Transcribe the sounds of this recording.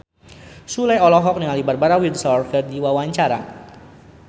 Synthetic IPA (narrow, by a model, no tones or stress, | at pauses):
sulajɔlɔɦɔk̚nəŋalibarbaɾawildsaɔrkərdiwawaɲt͡ʃaɾa̰